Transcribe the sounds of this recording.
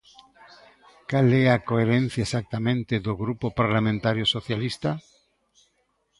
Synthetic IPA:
kalɛakoeɾẽn̟θjaesak̚t̪amẽnt̪ɪðoɣɾupopaɾlamẽnt̪aɾjosoθjalist̪a

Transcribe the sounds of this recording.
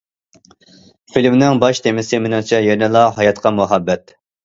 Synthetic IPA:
filmnɪŋbɑʃt̪ʰemɪsɪmɪnɪŋt͡ʃʰɛjenɪlˠɑɦɑjɑt̪qʰɑmuɦɑbːɛt̪

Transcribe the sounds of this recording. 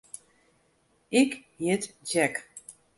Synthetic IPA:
ɪkhiətd͡ʒɛk

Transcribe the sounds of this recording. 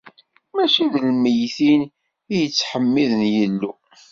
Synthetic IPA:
mæʃiðəlməjθin | ijət͡sːħəmːiðənjəlːu

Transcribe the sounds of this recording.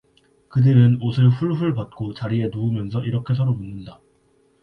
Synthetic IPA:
kɯdɯɾɯnosʰɯɭɸuɭɸɯɭpat̚k͈ot͡ɕaɾie̞noumjʌnsʰʌʔiɾʌkʰe̞s̬ʰʌɾomunːɯnda

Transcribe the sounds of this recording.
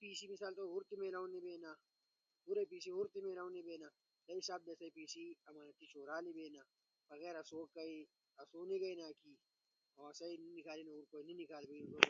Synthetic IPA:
piːsimɪsaːlt̪ʼɔhʊɾt̪ːɪmeːlɐʊnːɪbeːnːɐ | hʊɾɛpiːs̬ihʊɾt̪ɪmeːlɐwʊnːɪbeːnɐ | d̪ɐɪsaːb̚d̪ɐsɐjpiːsiɐmɐnɐt̪ːɪt͡ʃʼoːɾaːlɪbeːnːɐ | fɐɣeɾɐsoːkːɐj | ɐsoːnɪɡɐjnaːki | hɐwaːsɐjnɪnːɪkaːlɪnɐʊɾkɔjnɪnːɪkaːlbenʊt̪ɔ

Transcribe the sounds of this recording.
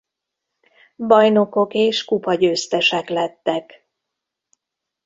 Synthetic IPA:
bɒjno̞ko̞keːʃkupɒɟøːst̪ɛʃɛklɛt̪ːɛk

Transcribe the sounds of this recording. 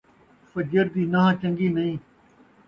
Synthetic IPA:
fəd͡ʒəɾd̪iːnaːɦãːt͡ʃə̃ŋɡiːnɐɦĩː

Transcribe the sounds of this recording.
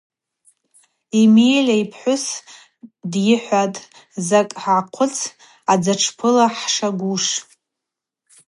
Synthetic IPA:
imejlʲaipʰħʷʊs | djɪħʷatʼ | zakʼħaʕqʷʰʊt͡sʰ | ad͡zaʈ͡ʂʰpʰɨlaħʂaɡʷuʂ

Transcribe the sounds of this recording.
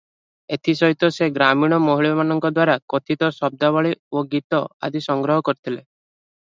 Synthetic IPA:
et̪ʰisɔɦit̪ɔseɡɾamiɽ̃ɔmoɦiɭɔmanɔŋkɔd̪waɾakot̪ʰit̪ɔsɔb̚d̪aβɔɭioɡit̪ɔa̰d̪ʱisɔŋɡɾɔɦɔkɔɾit̪ʰile

